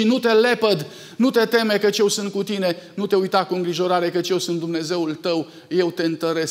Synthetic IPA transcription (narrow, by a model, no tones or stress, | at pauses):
inut̪e̞le̞pəd̪ | nut̪e̞t̪e̞mekət͡ʃje̞wsɨnt̪̚kut̪ine̞nut̪e̞ujt̪akuɨŋɡɾiʒo̞ɾaɾe̞kət͡ʃʲje̞wsunt̪d̪umne̞ze̞ult̪əw | je̞wt̪e̞ɨnt̪əɾes